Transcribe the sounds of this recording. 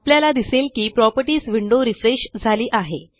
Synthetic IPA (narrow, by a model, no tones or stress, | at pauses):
pljalad̪iselkiːpɾɔpəʈiːsʋiɳɖoɾifɾeɕd͡zʱaliːʔaɦe